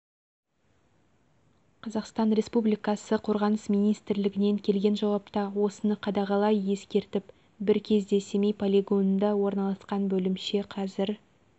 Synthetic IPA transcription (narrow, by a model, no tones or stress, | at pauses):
qʰɑzɑqst̪ɑnɾʲe̞spublijkɑsəqʰo̞ɾʁɑnəsmijnijst̪ɪɾlɪɡʲɪne̞ŋkʲʰe̞lɡʲe̞nʒɑwɑpt̪ɑwo̞sənəqʰɑd̪ɑʁɑlˠɑje̞skʲe̞ɾt̪ɪp | bɪɾkʲʰe̞zd̪e̞semejpʰolʲiɡo̞nnd̪ɑwo̞ɾnɑlˠɑsqɑnbɵlɪmʃe̞qʰɑzɪɾ